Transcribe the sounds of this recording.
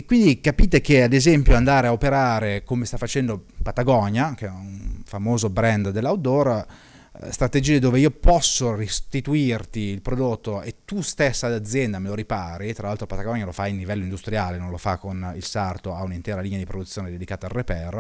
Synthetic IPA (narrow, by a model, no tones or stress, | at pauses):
ekwind̪ikapiːt̪ek̟ead̪ezɛmpjoand̪aːɾeaopeɾaːɾekomest̪afːat͡ʃɛnd̪opat̪aɡɔɲakɛunfamoːzobɾɛnd̪d̪elːawd̪or | st̪ɾat̪ed͡ʒiːed̪oːveiːopɔsːorist̪it̪uirt̪iːlpɾod̪ot̪ːoet̪ːust̪esːad̪ad̪zːjɛnd̪ameloɾipaːɾit̪ɾalalt̪ɾopat̪aɡɔɲːalofajinlːivɛlːoind̪ust̪ɾjaːlenõnlofakːonilsart̪oaunint̪ɛːɾaliːnead̪ipɾod̪ut̪sjoːned̪ed̪ikaːt̪aːlrːepɛr